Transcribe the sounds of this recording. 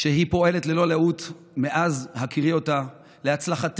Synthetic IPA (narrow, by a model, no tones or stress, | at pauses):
ʃe̞ɦipo̞e̞le̞t̪lelo̞laut̪ | me̞ʔazhakʰiʁio̞ta | le̞at͡slaχat